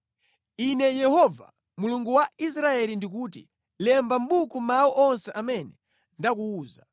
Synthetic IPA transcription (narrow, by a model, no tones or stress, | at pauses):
inɛjɛhɔva̰ | muluŋɡuwais̬ɾaɛlindik̬uːt̬ḭ | lɛmbam̩ɓukumawɔʔɔnsɛʔamɛnɛ | ndak̬uːza